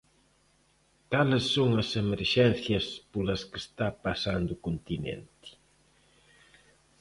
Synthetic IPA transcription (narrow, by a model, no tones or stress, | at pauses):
kalɪsːoŋɐsemeɾʃɛn̟θjɐspolɐskest̪apasand̪ʊukont̪inḛnt̪ɪ̥